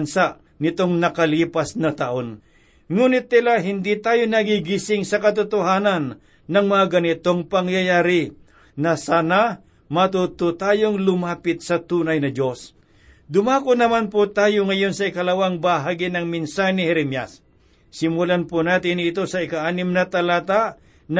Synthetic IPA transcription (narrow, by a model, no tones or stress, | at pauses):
nsaʔ | nɪt̪o̞ŋnɐkɐliːpasnɐt̪ɐʔon | ŋuːnɪt̪̚ːɪlaɦɪnd̪it̪aːjonɐɡiɡisɪŋsɐkɐt̪̬ʊt̪ʊɦaːnɐnː | ɐŋmɐŋaɡɐnɪt̪o̞ŋpɐŋjajaːɾɪ | nɐsaːna | mɐt̪ut̪ʊt̪aːjoŋlʊmaːpɪt̪̚sɐt̪uːnɐjnɐd͡ʒo̞s | d̪ʊmaːkonɐmanpʊt̪aːjoŋɐjo̞nsɐɪkɐlɐwaŋbaɦaːɡɪnɐŋmɪnsahjnɪhɛɾɛmja̰sː | ɪmʊlanpʊnaːt̪ɪnɪt̪o̞sɐɪkaʔaːnɪmnɐt̪ɐlaːt̪aʔ | n